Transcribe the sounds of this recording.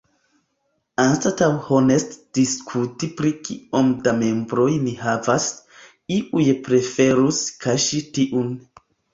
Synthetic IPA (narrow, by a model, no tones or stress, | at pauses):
anstatawhonestd̥iskʰutipɾikiomdame̞mbɾojnihavas | iʔujpɾefe̞ɾuskʰaʃitiʔun